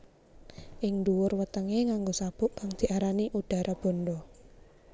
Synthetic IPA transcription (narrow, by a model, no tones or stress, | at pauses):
ʔɪŋnduwʊrwət̪əŋeŋaŋɡosab̥ʊ̤ʔkaŋd̪̥i̤ʔaɾaniʔuɖ̥a̤ɾʔab̥ɔ̤nɖɔ